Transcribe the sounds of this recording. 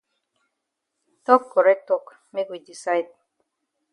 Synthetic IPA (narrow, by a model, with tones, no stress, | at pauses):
tɔ˦kːɔ˨ɾɛ˦k̚tɔ˦˨k | me˦kwi˨di˨sa˦ɪd̚